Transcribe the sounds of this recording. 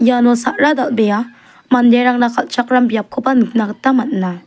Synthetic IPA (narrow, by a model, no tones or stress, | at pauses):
janɔsaʔɾad̪albɛja | mandeɾaŋnakʰalt͡ʃʰak̚ɾambijap̚kʰɔpanɯp̚nakətamatna